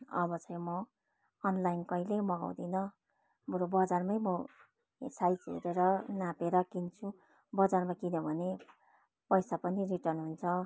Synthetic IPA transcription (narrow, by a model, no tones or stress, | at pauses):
ʌ̰bʌt͡sʰʌ̃j̃mʌ | ʌnlajnkʌjlemʌɡa̰wd̪inʌ | mɾobʌd͡zarmʌjmʌ̰ | sajt͡sɦḛɾeɾʌnapeɾʌkint͡sʰu | bʌd͡zarmakinʌbʱʌne | pʌjsapʌniriʈʌrnɦunt͡sʰʌ